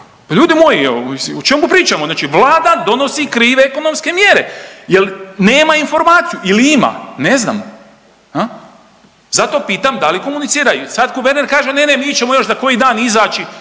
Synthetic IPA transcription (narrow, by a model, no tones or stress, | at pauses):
paʎʲuːd̪imo̞jieoot͡ʃemkupɾiːt͡ʃamoznaːt͡ʃiʋlˠaːd̪ad̪o̞no̞sikɾiːʋeeko̞no̞mske̞mje̞ɾe̞jelneːmainfo̞ɾmaːt̪sijuiliima̰ne̞zna̰ːm | ha | zat̪o̞ːpiːt̪amd̪aliko̞munit̪siːɾajusad̪ɡuʋeɾneɾkaːʒenenemiit͡ʃemo̞jo̞ʃzako̞jid̪aːnizaːt͡ʃi